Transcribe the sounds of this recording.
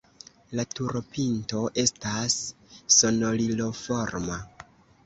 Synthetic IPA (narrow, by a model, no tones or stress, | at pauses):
latuɾo̞pintoʔe̞stasːo̞no̞lilo̞fo̞ɾma